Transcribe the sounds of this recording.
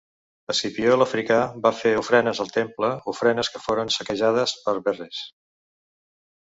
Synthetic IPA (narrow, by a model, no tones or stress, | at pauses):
əsipioləfɾikaβafeufɾɛnəzəlˠt̪empləufɾɛnəskəfoɾənsəkəʒað̞əspəɾβɛres